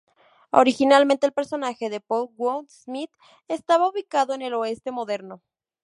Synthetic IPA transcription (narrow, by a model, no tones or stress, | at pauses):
o̰ɾixinalmẽnt̪eːlpe̞ɾso̞naxe̞ðepolwod̪smit̪ | est̪aβauβikaðo̞ene̞lo̞e̞st̪e̞moðe̞ɾno̞